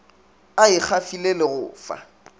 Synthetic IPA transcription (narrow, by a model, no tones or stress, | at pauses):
aɪk͡xʰafilelɪɣʊ̰ːfa̰